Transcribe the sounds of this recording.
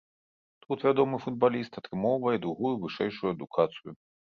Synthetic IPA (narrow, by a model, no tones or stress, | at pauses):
t̪ut̪vʲad̪ɔmɨfud̪̚balʲist̪ɐt̪ɾɨmɔwvɐjɛd̪ɾuɣujuvɨʂɛjʂujuɐd̪ukʰat̪sɨju